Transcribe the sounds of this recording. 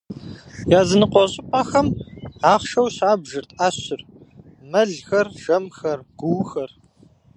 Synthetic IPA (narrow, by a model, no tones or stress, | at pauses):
jaːzɨnɨqʷɔɕʼɪpʼaːxɐmaːχʃɐwɕaːbʒɨrtʰaːɕɪr | mɐɮxɐrʒɐmxɐrɡ̥ʷʊwxɐr